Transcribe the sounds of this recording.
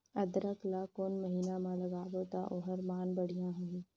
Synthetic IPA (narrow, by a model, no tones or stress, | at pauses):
ɐd̪ɾəklakonmɐɦiːnamãlɐɡaːd̪ot̪aʔoɦəɾmaːnbɐɽ̤ijãɦʊiː